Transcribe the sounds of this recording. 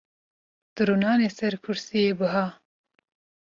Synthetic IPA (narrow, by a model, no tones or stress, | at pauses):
d̪̥ɨɾunɑːneːsɛɾkʰʊɾsijeːbɨɦɑː